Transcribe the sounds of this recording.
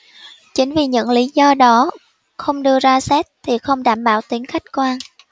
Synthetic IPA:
t͡ɕï˨˦ŋ̟vi˨˩ɲɨ̰˧˥ŋli˨˦zɔ˧ɗɔ˨˦ | xə˧wŋ͡mɗɨ˧əzaː˧sɛ˦˥t̚t̪ʰi˨˩xə˧wŋ͡mɗaː˧˩mɓaː˧˩wt̪i˨˦əŋxa˦˥jk̟̚kwa˧n

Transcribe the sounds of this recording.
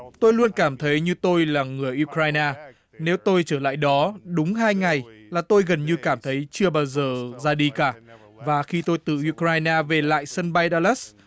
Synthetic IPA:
t̪o˧jlu˧ənkaː˧˩mt̪ʰə˨˦jɲɨ˧t̪o˧jlaː˨˩ŋɨ˨˩əjʔu˧kɾaː˧jnaː˧ | ne˨˦wt̪o˧jt͡ɕəː˧˩la̰ː˧˨jɗɔ˨˦ɗʊ˨˦ŋ͡mɦaː˧jŋa˨˩jlaː˨˩t̪o˧jɣə˨˩nɲɨ˧kaː˧˩mt̪ʰə˨˦jt͡ɕɨ˧əɓaː˧wzəː˨˩zaː˧ɗi˧kaː˧˩ | vaː˨˩xi˧t̪o˧jt̪ɨ˨˩ʔu˧kɾaː˧jnaː˧ve˨˩la̰ː˧˨jsə˧nɓa˧jɗaː˧lɛ˦˥s

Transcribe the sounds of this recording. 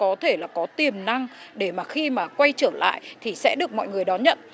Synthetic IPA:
kɔ˨˦t̪ʰe˧˩laː˨˩kɔ˨˦t̪i˨˩əmna˧ŋɗe˧˩maː˨˩xi˧maː˨˩kwa˧jt͡ɕəː˧˩la̰ː˧˨jt̪ʰi˨˩sɛ̰˧˥ɗɨ˨˩ək̚mɔ̰˧˨jŋɨ˨˩əjɗɔ˨˦ɲə̰˧˨n

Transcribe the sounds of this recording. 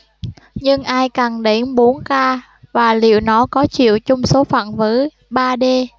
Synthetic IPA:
ɲɨ˧ŋʔaː˧jkaː˨˩nɗe˨˦nɓo˨˦nkaː˧ | vaː˨˩lḭ˧˨əwnɔ˨˦kɔ˨˦t͡ɕḭ˧˨əwt͡ɕʊ˧wŋ͡mso˨˦fa̰ː˧˨nvə˨˦ | ɓaː˧ɗe˧

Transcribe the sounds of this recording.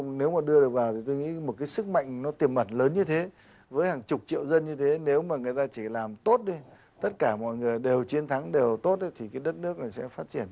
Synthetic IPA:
ne˨˦wmaː˨˩ɗɨ˧əɗɨ˨˩ək̚vaː˨˩wt̪ʰi˨˩t̪o˧jŋḭ˧˥mo˨˩t̚kaː˨˦jsɨ˦˥k̚ma̰˧˨jŋ̟nɔ˨˦t̪i˨˩əmʔə˧˩nləː˨˦nɲɨ˧t̪ʰe˨˦ | vəː˨˦jhaː˨˩ŋt͡ɕʊ˨˩k͡p̚t͡ɕḭ˧˨əwzə˧nɲɨ˧t̪ʰe˨˦ne˨˦wmaː˨˩ŋɨ˨˩ə˩jt̪aː˧t͡ɕi˧˩laː˨˩mt̪o˦˥t̚ɗi˧ | t̪ə˦˥t̚kaː˧˩mɔ̰˧˨jŋɨ˨˩əjɗe˨˩wt͡ɕi˨˦ənt̪ʰa˨˦ŋɗe˨˩wt̪o˦˥t̚ɗi˨˦t̪ʰi˨˩kaː˨˦jɗə˦˥t̚nɨ˦˥ək̚na˨˩jsɛ̰˧˥faː˦˥t̚t͡ɕi˧˩ən

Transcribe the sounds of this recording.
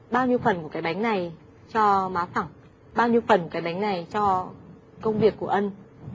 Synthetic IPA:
ɓaː˧wɲi˧əwfə˨˩nku˧˩əkaː˨˦jɓa˨˦jŋ̟na˨˩j | t͡ɕɔ˧maː˨˦wfa˧˩ŋ | ɓaː˧wɲi˧əwfə˨˩nku˧˩kaː˨˦jɓa˨˦jŋ̟na˨˩jt͡ɕɔ˧ | kə˧wŋ͡mvi˨˩əkːu˧˩əʔə˧n

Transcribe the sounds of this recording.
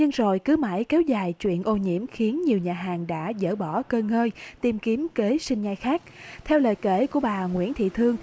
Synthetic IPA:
ɲɨ˧ŋzo˨˩jkɨ˨˦ma̰˧˩jkɛ˨˦wzaː˨˩jt͡ɕwḭ˧˨ənʔo˧ɲḭ˧˥əmxi˨˦ənɲi˨˩əwɲaː˨˩ɦaː˨˩ŋɗa̰ː˧˥zə̰ː˧˩ɓɔ˧˩kəː˧ŋəː˧jt̪i˨˩mki˨˦əmke˨˦sï˧ŋ̟za˧jxaː˦˥k̚t̪ʰɛ˧wləː˨˩jkḛ˧˩ku˧˩əɓaː˨˩ŋwḭ˧˥ənt̪ʰḭ˧˨t̪ʰɨ˧əŋ

